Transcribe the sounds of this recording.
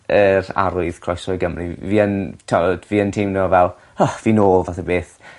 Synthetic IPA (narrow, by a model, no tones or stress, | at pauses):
əɾa̰ɾʊɨð̥kʰr̥ɔjsɔɨɡəmriviːəntʰɔd̥viːəntʰimnɔvɛlˠ | ɔviːnoːlˠvaθɛbeːθ